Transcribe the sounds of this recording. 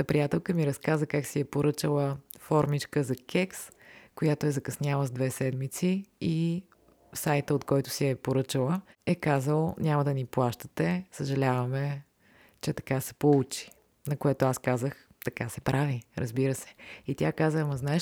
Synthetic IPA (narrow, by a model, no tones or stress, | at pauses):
ɐpɾijat̪ɛlˠkəmiɾɐskazəkaksiɛpoɾɤt͡ʃəlˠəfɔɾmit͡ʃkəzɐkʲɛkskojat̪oɛzɐkɐsnʲalˠəzd̪vɛsɛd̪mit̪sii | sajt̪əot̪kɔjt̪ʊ̥siɛpoɾɤt͡ʃəlˠəɛkazəlˠnʲamɐd̪ɐniplˠaʃt̪ə̥t̪ɛsəʒɐlʲavɐmɛ | t͡ʃɛt̪ɐ̥kasɛ̥pout͡ʃi̥ | nɐkoɛt̪oaskazəx | t̪ɐkasɛpɾʔaviɾʔə̰zbiɾəsɛ̥it̪ʲjakazəmɐznaɛ